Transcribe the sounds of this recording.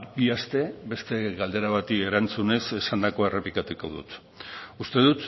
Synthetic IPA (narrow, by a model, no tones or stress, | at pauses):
biast̪e̞be̞st̪e̞ɣald̪e̞ɾaβat̪ie̞ɾant͡sune̞se̞sand̪ako̞e̞re̞plikat̪uko̞ðṵt̪ | ust̪e̞ðut̪